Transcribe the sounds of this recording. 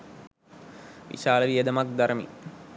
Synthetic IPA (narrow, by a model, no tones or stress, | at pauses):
ʋḭʃaːlɐʋiɐd̪ɐmak̚d̪ɐɾɐmḭ